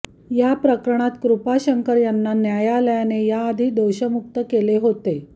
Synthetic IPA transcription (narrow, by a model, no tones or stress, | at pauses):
japɾəkɾəɳ̃at̪kɾupaɕəŋkəɾjanːanjajaləjanejaːd̪ʱiːd̪oɕəmuk̚t̪əkeleɦot̪e